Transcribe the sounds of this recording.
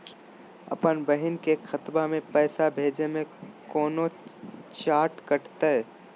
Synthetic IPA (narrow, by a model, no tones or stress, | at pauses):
ɐ̰pənbəɦɪnkexʰɐt̪bamẽpɛːsabʱeːd͡ʒemẽkɔːnot͡ʃaːʈkɐʈt̪aɦɛː